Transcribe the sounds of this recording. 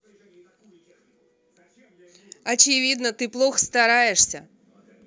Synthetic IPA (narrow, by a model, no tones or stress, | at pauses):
ɐt͡ɕɪvʲid̪nət̪ɨplˠoxst̪ɐɾajɪʂsʲə̰